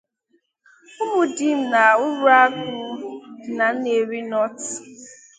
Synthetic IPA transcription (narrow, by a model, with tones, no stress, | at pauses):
ʊ˦mʊ˨dɪ˦m̩˦na˨ʊ˦ɾʊ˦a˦kʊ˦na˨n̩˦ne˨ɾi˦nɔ˦t